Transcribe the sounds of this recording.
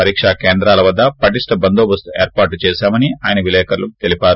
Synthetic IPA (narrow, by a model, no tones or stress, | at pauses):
ɐɾiːkʂakeːnd̪ɾaːlɐʋɐd̪ːɐpɐʈisʈɐbɐnd̪oːbɐst̪ueːɾpaːɾʈt͡ʃɛːʃaːmɐniaːjɐnɐʋilɛːkɐɾlukt̪elipaːɾu